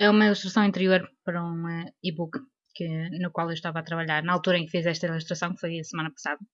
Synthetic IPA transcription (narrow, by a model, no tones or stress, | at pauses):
ɛumɐilˠuʃt̪ɾɐsɐ̃w̃ĩnt̪ɨɾioɾpɐɾɐũiβuk | kɨnukwalˠewʃt̪avat̪ɾɐβɐʎaɾnɐalˠt̪uɾɐẽkfizɛʃt̪ɐilˠuʃt̪ɾɐsɐ̃w̃kfojɐsɨmanɐpɐ̥saðɐ